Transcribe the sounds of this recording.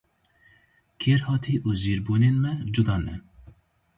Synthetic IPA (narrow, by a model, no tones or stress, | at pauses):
kʰeːɾhɑːt̪ʰiːʔuːziːɾbuːneːnmɛd͡ʒud̪ɑːnɛ̰